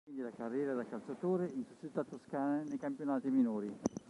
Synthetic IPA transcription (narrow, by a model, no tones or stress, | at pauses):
wind̪ilakarːjɛːɾad̪akːalt͡ʃat̪oːɾeinsut͡ʃːit̪ːat̪ːoskaːnanejkampjonaːt̪iminoːɾi